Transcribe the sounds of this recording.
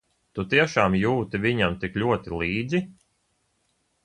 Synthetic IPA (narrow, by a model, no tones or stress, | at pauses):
t̪ut̪iɛʃaːmjuːt̪iviɲamt̪ikʎʲuɔt̪ilˠiːd̪zi